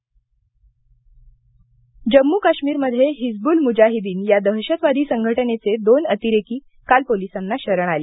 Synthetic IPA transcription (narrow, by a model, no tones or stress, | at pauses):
d͡ʑəmːuːkaɕmiːɾməd̪ʱjeɦid͡zbuːlmud͡ʑaɦid̪iːnjad̪əɦɕət̪ʋad̪ʱiːsəŋɡʱəʈənet͡sed̪onət̪iɾekiː | kalpolisanːaɕəɾəɳ̃aleː